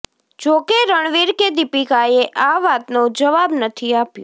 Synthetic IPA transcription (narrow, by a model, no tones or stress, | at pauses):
d͡ʒokeɾəɳʋiɾked̪ipikajeʔaʋat̪nod͡ʒəʋabnət̪ʰiapjõ